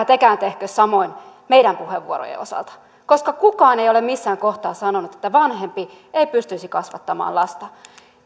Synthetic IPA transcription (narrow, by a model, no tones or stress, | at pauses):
t̪ekæːnt̪ehkøssɑmoin | meidæmpuheʋṵoɾo̰jḛosɑ̰lt̪ɑ̥ | koskɑkukɑːnejolemmisːæːŋkoht̪ɑːsɑnonut̪et̪ːæʋɑnhempi | eipyst̪yisikɑsʋɑ̰t̪ːɑmɑ̰ːnlɑst̪ɑ